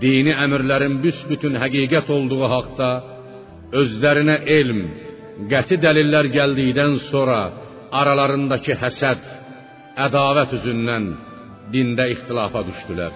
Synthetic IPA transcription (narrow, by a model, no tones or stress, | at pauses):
d̪iːniæmiɾlæɾinbysbyt̪ʰynɦæɡiːɡæt̪ʰo̞lˠd̪uʁuɦɑqt̪ɑ | ø̞zlæɾinæʔe̞lm | ɡæt̪ʰid̪ælilːæɾɟæld̪ijd̪ænso̞ɾɑ | ɑɾɑlˠɑɾɯnd̪ɑcʰihæsæd̪̥ | æd̪ɑːvæt̪ʰyzynːæn | d̪ind̪æiχt̪ʰilɑːfɑd̪yʃd̪ylæ̰ɾ